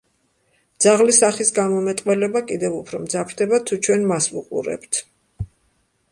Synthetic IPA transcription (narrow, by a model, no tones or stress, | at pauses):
d̪z̥aʁlisaχisɡamɔmɛt̪ʼqʼwɛlɛbakʼid̪ɛvupʰɾɔmd̪zapʰɾd̪ɛbat̪ʰut͡ʃʰwɛnmasvṵqʼṵɾɛ̰pt̪ʰ